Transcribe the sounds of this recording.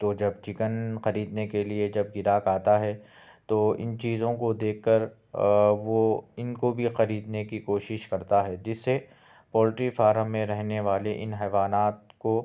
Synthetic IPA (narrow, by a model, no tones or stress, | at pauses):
t̪od͡ʒɐbt͡ʃɪkənxɐɾiːd̪nekelied͡ʒɐb̚ɡɪɾaːkaːt̪aɦɛ | t̪oɪ̰nt͡ʃiːzõkod̪eːkːəɾ | ʋoɪnkobʱixɐɾiːd̪nekikoːʃɪʃkɐɾt̪aɦɛd͡ʒɪsːe | pɔːlɪʈɾifaːɾəmːẽɾɛɦneʋaːleʔɪnɦɛːʋaːnaːt̪ko